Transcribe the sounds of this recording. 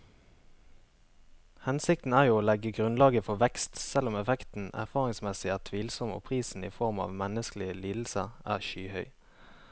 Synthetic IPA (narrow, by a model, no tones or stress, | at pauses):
hɛnsɪkt̪n̩æːʁjuːoːlɛɡəɡʁʉnlɑːɡəfɔʋɛkst̪sɛlʊmɛfɛkt̪n̩æ̰ʁfɑːʁɪŋsmɛsɪæːʁt̪ʰʋiːlsɔmo̰ːpʰʁiːsn̩ḭːfɔʁmɑ̰ːʋmɛnəsklɪəliːd̪l̩səʁʔæ̰ːʁʃyːhœʏ